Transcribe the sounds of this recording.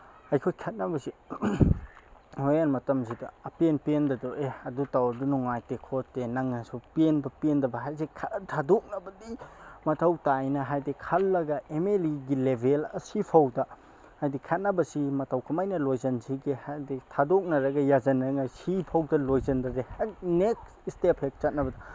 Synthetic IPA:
ɐjkʰojkʰɐt̚nɐbɐsi | hoanmɐtɐmsidɐɐpenpendɐdɔʔeɐdutawɐdunuŋajtekʰotːenɐŋɐsupienbɐpiendɐbɐɦajzikʰatʰadok̚nɐbɐdimɐtʰɐwtajnɐɦajdikʰɐlːɐɡɐʔemeliɡilebʱelɐ̰sipʰɐwdɐ | hajdikʰɐt̚nɐbɐsimɐtʰɐwkʰɐmajnɐlojzɐnsiɡihajditʰadok̚nɐɾɐɡɐjazɐnɐŋajsipʰɐwdɐlojzɐndɐdehak̚nek | istepʰek̚t͡ʃɐt̚nɐbɐdɐ

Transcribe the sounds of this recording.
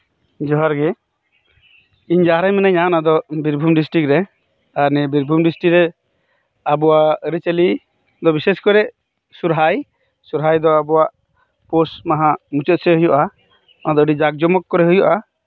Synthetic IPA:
d͡ʒɔɦaɾɡɛ | iɲd͡ʒaɾajmɛnaɲanad̪ɔbiɾbʱumɖisʈɾik̚ɾɛ | aɾnɛbiɾbʱumɖisʈikɾɛ | abɔwaəɾit͡ʃeli | d̪ɔbiseskɔɾɛʔ | suɾɦaj | suɾɦajd̪ɔabɔwaʔ | posmaɦamut͡ʃɔt̪̚sɛɦujɔʔa | ad̪ɔəɖid͡ʒaɡ̚d͡ʒɔmɔkːɔɾɛɦujɔʔa

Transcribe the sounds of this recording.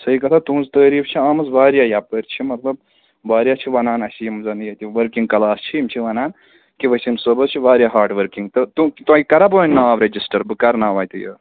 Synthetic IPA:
sɐikɐt̪ʰat̪ũzt̪ɐːɾiːfʰt͡ʃʰiaːmɐzʋaːɾjajapəɾʲt͡ʃʰimɐt̪lɐb̚ | ʋaːɾjat͡ʃʰiʋɐnaːnɐsijimzɐnjɐt̪iʋɐɾkĩŋɡkɐlaːst͡ʃʰiimt͡ʃʰiʋɐnaːn | kiʋɐsʲinsəbɐzt͡ʃʰiʋaːɾjaɦaːɾʈʋɐɾkiŋɡt̪ɨt̪ukt̪uãkikɐɾabɐːnʲnaːʋɾed͡ʒisʈɐɾbɨkɐɾnaːʋaːjt̪ɨjə̰

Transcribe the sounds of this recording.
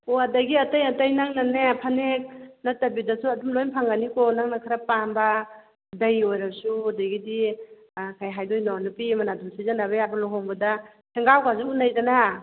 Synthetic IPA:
oadaɡiatajatajnaŋnanepʰanek̚natabidasuɐdumlojnpʰaŋanikɔnaŋnakʰaɾapamba | dajojɾasuadaɡidi | kʰajɦajdojnɔnupimanadumsizanaβeabalɔɦɔŋbɐda | sʰeŋɡawkazuunajdana

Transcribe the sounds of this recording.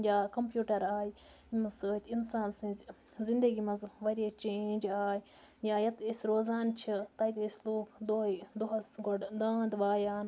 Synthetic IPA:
jaːkɐmpjuːʈɐɾaːj | imɐsɨːt̪ʲinsaːnsĩz | zind̪ɐɡimɐzʋɐɾʲet͡ʃeːnʲd͡ʒaːj | jaːjɐt̪isʲɾoːzaːnt͡ʃʰit̪ɐjt̪ʲisloːkʰd̪ojd̪oɦɐsɡoɖd̪aːnd̪ʋaːjaːn

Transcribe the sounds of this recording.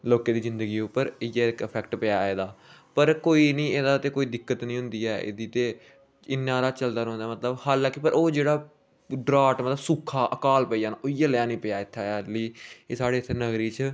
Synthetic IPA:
loːkeːd̪iːzɪnd̪əɡiːʊpːəɾɪjeːɪkəpʰɛkʈpəjaːeːd̪aːpəɾkoːiːnĩːeːd̪aːt̪eːkoːiːd̪ɪkːət̪nĩːɦʊ̃nd̪iːɛːʔɪ̰d̪iːt̪eː | ɪnːãːɾaːt͡ʃəld̪aːɾõːnd̪aːmət̪ləbhaːlãːkɪpəɾoːd͡ʒeːɽaː | ɖɾaːʈmət̪ləbsuːkʰːaːʔəkaːlpəiːaːnaːoːɪjaːlãːnĩːpɪjaːɪt̪ʰːeliːesaːɽeːt̪ʰːenəɡɾiːt͡ʃ

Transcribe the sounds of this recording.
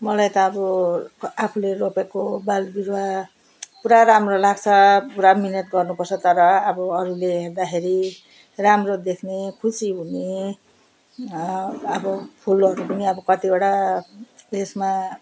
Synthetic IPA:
mʌlajt̪ʌːbʌ | apʰuleropekobalbiɾwa | puɾaɾamrolaɡt͡sʰʌpuɾaminʌt̪ɡʌrnupʌrt͡sʰʌt̪ʌɾʌːbʌːɾuleɦerd̪axʰeɾi | ramrod̪ekʰnekʰusiɦune | ʌbʌpʰulʌɾupʌniʌbʌkʌt̪ieɽa | esma

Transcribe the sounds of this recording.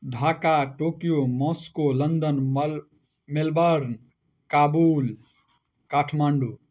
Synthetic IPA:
dʱaːkaʈoːkijomɔ̃skolənd̪ən | melbəɾn | kaːbuːl | kaːʈʰmaɳɖu

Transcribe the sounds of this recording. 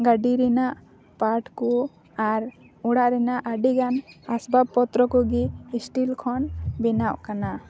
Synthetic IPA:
ɡaɖiɾɛnaʔ | paɾʈkɔ | aɾ | uɽaʔɾɛnaʔaɖiɡanasbab̚pɔt̪ɾɔkɔɡiːsʈilkʰɔnbɛnaʔkana

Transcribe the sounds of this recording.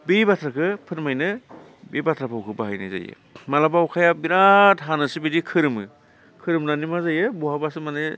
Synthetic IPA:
bibatʰɾakʰɯpʰɯɾmajnɯ | bibatʰɾapʰawkʰɯbaɦajnɯ̰za̰jɯ̰ | malabawkʰajabiɾatɦanɯsɯbidikʰɯɾɯmɯ | kʰɯɾɯmnanimazajɯbɔhabasɯmane

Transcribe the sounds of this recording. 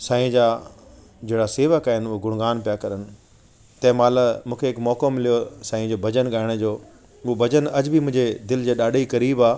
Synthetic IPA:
sãːĩd͡ʑaː | d͡ʑeːɽaseːʋəkaːɦɪnʊɦoɡʊɽ̃ɡaːnpijakɐɾənɪ̆ | t̪ɐ̃ɦɪ̃maːləmũːkʰeɦɪkmɔːkomɪlijosãːĩd͡ʑoːbʱɐd͡ʑənɠaːɪɽ̃d͡ʑoː | ʊɦobʱɐd͡ʑənɐd͡ʑbimʊ̃ɪ̃ɲd͡ʑed̪ɪld͡ʑeːɗaːɗikɐɾiːbaː

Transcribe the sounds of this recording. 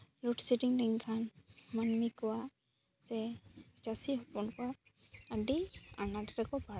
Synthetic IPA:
luʈsiʈiŋdɛŋkʰanmanmikɔwa | sɛd͡ʒasiɦɔpɔnkɔ | aɖia̰nadɾakɔba

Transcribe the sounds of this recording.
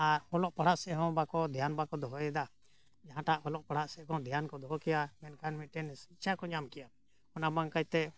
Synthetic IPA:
aɾɔlɔʔpaɽ̤aʔsɛʔɦɔ̃bakɔd̪ʱjanbakɔd̪ɔɦɔjɛd̪a | d͡ʒaɦãʈaʔɔlɔʔpaɽ̤aʔsɛkɔ̃d̪ʱjankɔd̪ɔɦɔkɛjamɛnkanmit̪̚ˀʈɛnsit͡ʃʰakɔɲamkɛja | ɔnabaŋkajt̪ɛ

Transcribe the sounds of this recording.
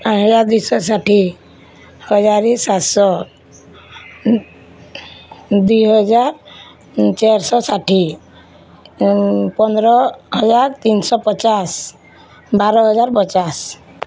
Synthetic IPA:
aɦɔd͡ʒaɾd̪ujsɔsaʈʰi | hɔd͡ʒaɾisat̪sɔ | d̪ujɦɔd͡ʒaɾ | t͡ʃeɾsɔsaʈʰi | pɔnd̪ɾɔɦɔd͡ʒaɾt̪insɔpɔt͡ʃas | baɾɔɦɔd͡ʒaɾpɔt͡ʃas

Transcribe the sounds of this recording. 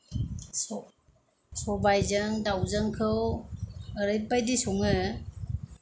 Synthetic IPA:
sɔbajzəŋdawzəŋkʰɯw | əɾɯjpajdisuŋɯ

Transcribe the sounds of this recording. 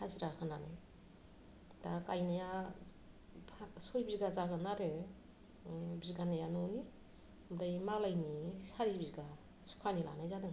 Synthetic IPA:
haziɾakʰɯnana̰j | takajnaja | pʰasojbizɡazaɡɯnaɾe | bizɡanajanɔni | mbɾajmalajnisaɾibizɡa | su̥kʰanila̰najzadɯŋ

